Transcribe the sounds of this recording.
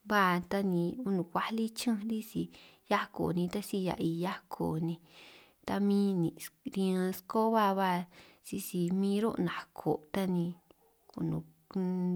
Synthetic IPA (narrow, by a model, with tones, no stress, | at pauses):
βa˦˨t̪a˦nĩ˧u˦nũ˨kʷa˦li˦t͡ʃɨ̃˦ɾi˦si˧ | ja˦ko̰˨nĩ˧t̪a˦si˦ja̰˨ʔi˧ja˦kʰo˨nĩ˧ | t̪a˧mĩ˦nĩ˨ɾĩ˧ã˧sko˦βa˦βa˦˧˨ | si˧si˧mĩː˦ɾo˦ʔnã˨kʰo̰˨t̪a˦nĩ˧ | ku˧˨nṵ̃˨˧